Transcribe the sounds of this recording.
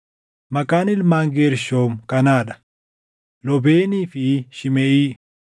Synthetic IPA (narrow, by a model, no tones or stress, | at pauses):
mɐkʼaːnɪlmaːŋɡeːɾʃoːmkɐnaːᶑɐ̥ | lɔbeːniːfɪʃɪmɛʔiː